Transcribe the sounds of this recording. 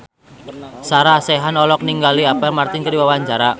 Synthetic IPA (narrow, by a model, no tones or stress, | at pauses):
saɾasɛɦanɔlɔk̚niŋɡaliapɛmart̪ɪnkəɾiwawaɲt͡ʃaɾa